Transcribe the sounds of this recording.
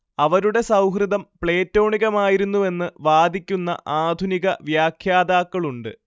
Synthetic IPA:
ɐʋɐɾuɽe̞sɐwɦrɨd̪ɐmpɭe̞ːtːo̞ːɳiɣɐmaːjiɾunːue̞nːɨʋaːd̪ʱikʲːunːɐ̰ʔaːd̪ʱuniɣɐʋjaːkʰjaːd̪aːkːɐɭuɳɖɨ̰

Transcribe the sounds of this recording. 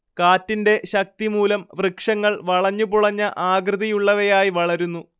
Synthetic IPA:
kaːtːinde̞ɕɐk̚t̪imuːlɐmʋrɨkʂɐŋːɐɭʋɐɭɐɲːupuɭɐɲːɐʔaːɡɾɨðɐjuɭːɐʋɐjaːjiʋɐɭɐɾunːu

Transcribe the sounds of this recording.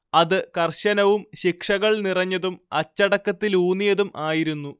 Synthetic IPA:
ɐðɨkɐrɕɐnɐʋumɕikʂɐɣɐɭnirɐɲːɐðumɐt͡ɕːɐɽɐkːɐt̪ːiluːnijɐðumaːjiɾunːu

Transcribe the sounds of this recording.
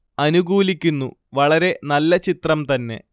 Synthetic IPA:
ɐnuɡuːlikʲːunːuʋɐɭɐɾe̞nɐlːɐt͡ɕit̪rɐmt̪ɐnːe̞̰

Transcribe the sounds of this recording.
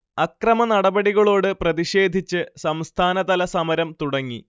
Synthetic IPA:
ɐkrɐmɐnɐɽɐbɐɽiɣɐɭo̞ːɽɨprɐðiɕe̞ːd̪ʱit͡ɕːɨsɐmst̪ʰaːnɐt̪ɐlɐsɐmɐɾɐmt̪uɽɐŋːḭ

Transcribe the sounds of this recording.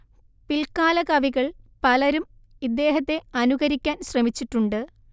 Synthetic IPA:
pilkaːlɐkɐʋiɣɐɭpɐlɐɾum | id̪ːe̞ːɦɐt̪ːe̞ɐnuɣɐɾikʲːaːnɕrɐmit͡ɕːiʈːuɳɖɨ

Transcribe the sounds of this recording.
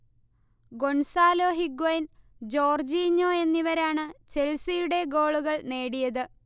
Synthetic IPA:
ɡo̞ɳsaːlo̞ːɦiɡoind͡ʑo̞ːrd͡ʑiːɲːoːe̞nːiʋɐɾaːɳɨt͡ɕe̞lsijuɽe̞ɡo̞ːɭuɣɐɭne̞ːɽijɐðɨ

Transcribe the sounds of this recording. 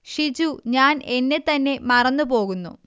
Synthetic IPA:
ʂid͡ʑuɲaːne̞nːe̞t̪ɐnːe̞mɐrɐnːupo̞ːɣunːṵ

